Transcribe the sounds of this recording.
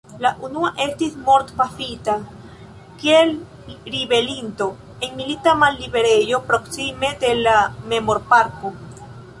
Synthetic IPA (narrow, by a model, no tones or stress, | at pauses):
laʔunuaʔe̞stismo̞ɾtpafita | kiel | ɾibe̞linto̞ | e̞nmilitamalːibe̞ɾe̞jo̞pɾo̞ksime̞de̞lame̞mo̞ɾpaɾko̞